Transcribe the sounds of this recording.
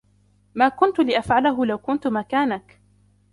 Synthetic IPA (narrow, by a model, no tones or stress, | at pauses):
maːkʊnt̪ʊlɪʔafʕalaɦʊlawkʊnt̪ʊmakaːnak